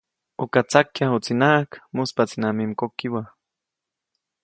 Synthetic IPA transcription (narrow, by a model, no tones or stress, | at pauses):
okat͡sakjahut͡sinakmuspat͡sinamimkokiwa